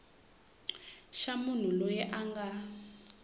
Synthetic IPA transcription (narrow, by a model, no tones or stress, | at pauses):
ʃamun̤ulɔjɛʔaŋɡa